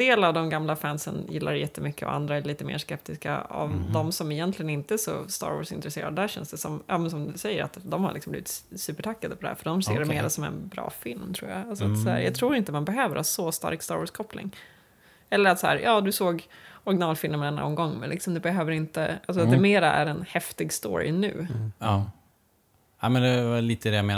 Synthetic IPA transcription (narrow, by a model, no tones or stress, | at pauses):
d̪eːlavd̪ɔmɡamlafænsə̰njɪlːʔaɾjɛt̪ːəmʏkːəɔ̰ʔa̰nd̪ɾaæɭiːt̪əmḛːʂkɛp̚t̪ɪska̰a̰vd̪ɔmsɔmɪjɛnt̪ʰlɪɡənɪnt̪əæʂɔ̰st̪ɑ̰ːɾvɔ̰ːʂɪnt̪ɾɛsḛːɾad̪əd̪æːɾɕɛ̰nsd̪ɛsɔmjɑːmɛnsɔmd̪ɵsɛjːəɾa̰t̪d̪ɔmhaɭɪksɔmbliːvɪt̪sʉ̟ːpəʈʰakːad̪əpɔd̪ɛhæ̰ːɾfœɖɔmseːɖɛmeːɾasɔmɛ̰nbɾɑ̰ːfɪlmt̪ʰɾuːja̰alsɔat̪sæ̰ːɾjɑ̰ːɡt̪ʰɾuːɾɪnt̪əmanbɛɦøːvəɾhɑːsɔst̪a̰ɾkst̪ɑːɾɔːʂkʰɔplʔɪ̰ŋ | ɛlːəɾat̪sahæːɾjɑːd̪ɵsoːɡɔɾɡɪnɑːlfɪlmɛnɛnːaɔ̰mɡɔŋːmɛnlɪksɔmd̪ɛbɛɦøːvəɾɪnt̪əʔals̬ɔat̪d̪ɛmeːɾaæ̰ɾɛnhɛft̪ɪɡst̪o̰ːɾɪ̰nʉ̟̰ː | amɛnd̪ɛvaliːt̪əd̪ɛjameːn